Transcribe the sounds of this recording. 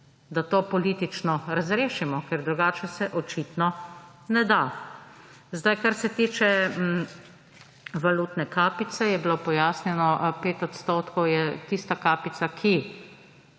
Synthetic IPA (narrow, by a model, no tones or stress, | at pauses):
d̪at̪oːpɔliːt̪it͡ʃnɔɾazɾeːʃimɔkɛɾd̪ɾuɡaːt͡ʃɛsɛʔɔt͡ʃiːt̪nɔ | nɛd̪a | zd̪ajkaɾsɛt̪iːt͡ʃɛ | ʋaluːt̪nɛkaːpit̪sɛjɛbiloːpɔjaːsnjɛnɔpeːt̪ɔt̪st̪oːt̪kɔwjɛt̪ist̪akaːpit̪sakʰi